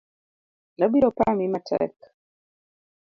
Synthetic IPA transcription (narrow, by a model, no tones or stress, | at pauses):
lɔbiɾɔpamimatʰɛ̰k